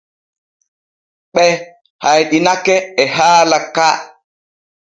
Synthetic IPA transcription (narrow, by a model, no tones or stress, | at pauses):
ɓɛ | hajɗinakɛːɦaːlaka